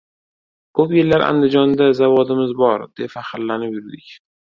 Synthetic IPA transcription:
kʰɵpjellaɾʔa̰nd̪ɪd͡ʒɒnd̪azavɒd̪ɪmɪzbɒɾd̪̥epfahɪɾlanɪpjʊɾd̪ɪkʲ

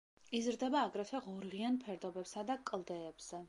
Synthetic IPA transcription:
izɾd̪ɛbaːɡɾɛfʰɛʁɔɾʁianpʰɛɾd̪ɔbɛpsad̪akʼlˠd̪ɛːbz̥ɛ

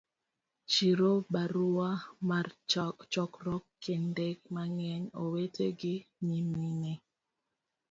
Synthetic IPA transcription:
t͡ʃiɾobaɾuwamaɾt͡ʃɔt͡ʃɔkɾɔkːɛndɛk̚maŋɛɲowetʰeɡimiminɛ

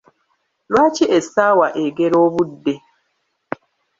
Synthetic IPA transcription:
lwat͡ʃiʔesawaʔeɡeɾoβude

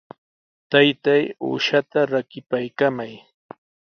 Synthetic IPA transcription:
t̪ajt̪ajṵʃat̪aɾakɪpajkamaj

